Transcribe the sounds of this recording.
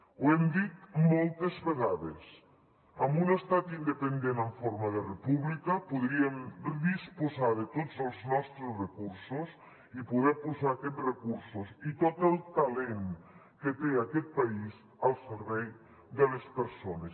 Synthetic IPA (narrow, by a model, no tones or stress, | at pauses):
uɛmd̪it̪molˠt̪ezβeɣaðḛs | əmbunəst̪at̪ind̪əpənd̪enəɱfoɾmaðərepuβlikəpuðɾiemd̪ispuzaðət̪ozəlˠznɔst̪ɾesrəkuɾsus | ipuðɛpuzaːkɛt̪rekuɾsusit̪ot̪əlˠt̪alen | kət̪eakɛt̪̚pais | əlˠseɾβɛj | ðəlespəɾsones